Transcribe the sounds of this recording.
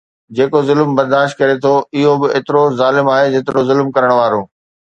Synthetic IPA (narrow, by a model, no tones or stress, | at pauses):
d͡ʑeːkozʊlmbɐɾd̪aːʃt̪̚kɐɾet̪ʰoɪɦobɪeːt̪ɪɾozaːlɪmaːɦed͡ʑeːt̪ɪɾozʊlmkɐɾəɽ̃ʋaːɾõː